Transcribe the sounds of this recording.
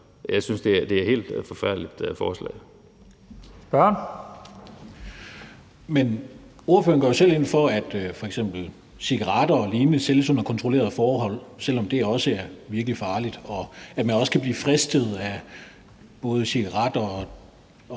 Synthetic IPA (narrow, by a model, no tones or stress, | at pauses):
jäɪsynsd̥e̝æd̥e̝æɐhe̝̰ːld̥fɒfæɐ̰d̥lid̥fɒːslɛ̰ː | b̥ɶɐ̰n | men | o̝ɐføːɐnɡ̥ɒɐjo̝sel̰e̝n̰fɒ̽æd̥fɒ̽eɡ̥sem̰b̥l̩ | siɡ̥ɑʁɑ̈d̥ɐɒliːnəseləsonɐkʰɒ̽nt͡sʰʁole̝̰ɐð̞ˠfɒːɦɒ̽l̰sel̰ɒ̽md̥e̝æɐɒ̽səæɐʋiɐɡ̥əlifɑ̈ːlid̥ɒ̽æmænɒ̽sə̥kʰæb̥liːfʁɛsd̥əð̞̩ˠæ | b̥ɔ̽ːð̞ˠəsiɡ̥ɑʁɑ̈d̥ɐɒ